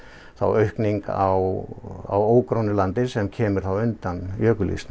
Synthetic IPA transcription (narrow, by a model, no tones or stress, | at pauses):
θa̰wœɥhkniŋkawa̰woːwkɾownʏlant̪ɪsɛmcʰɛːmʏɾ̥θawʏnt̪anjœːkʏlḭst̪n